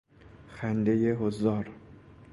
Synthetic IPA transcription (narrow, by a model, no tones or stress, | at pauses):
xænd̪ejeɦozɒːɾ